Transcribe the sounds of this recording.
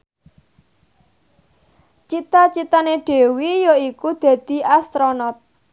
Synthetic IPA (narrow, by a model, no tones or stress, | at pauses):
t͡ʃit̪at͡ʃit̪aneɖ̥e̤wijoikud̪̥ä̤d̪̥i̤ʔast̪ɾonɔt̪̚